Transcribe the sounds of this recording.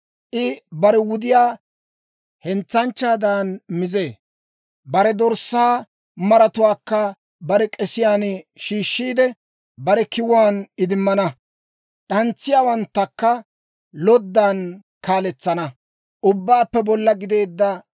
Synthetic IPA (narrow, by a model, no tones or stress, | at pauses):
ʔɪbɐɾɛwʊd̪ɪjaː | hɛnt͡sːɐnt͡ʃːaːd̪aːnmɪze̞ː | bɐɾɛd̪ɔɾsːaː | mɐɾɐt̪ʊwaːkːɐ | bɐɾɛkʼɛsɪjaːnʃiːʃːiːd̪ɛ | bɐɾɛkɪwaːnɪd̪ɪmːɐnɐ | ɗɐnt͡sːɪjaːwɐnt̪ːɐkːɐ | lɔd̪ːan | kaːlɛt͡sːɐnɐ | ʔʊbːaːpːɛbɔlːɐɡɪd̪e̞ːd̪ːɐ